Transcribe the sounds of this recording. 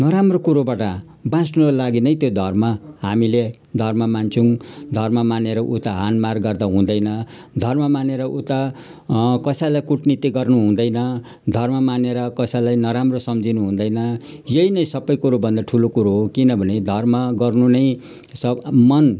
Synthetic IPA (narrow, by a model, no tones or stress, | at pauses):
nʌɾamrokuɾobaʈʌ | bãsnuɾʌlaɡinʌjt̪jod̪ʱʌrmʌɦamiled̪ʱʌrmʌmant͡sʰuŋd̪ʱʌrmʌmaneɾʌʔut̪aɦanmarɡʌrd̪aɦũd̪ʌjnʌ | d̪ʱʌrmʌmaneɾʌʔut̪a | kʌsajlajkuʈnit̪iɡʌrnuɦũnd̪ʌjnʌ | d̪ʱʌrmʌmaneɾʌkʌsajlajnʌɾamrosʌmd͡zʱinuɦũnd̪ʌjnʌ | jʌinʌjsʌbʌjkuɾobʱʌnd̪aʈʰulokuɾoɦokinʌbʱʌned̪ʱʌrmʌɡʌrnunʌj | sʌmʌn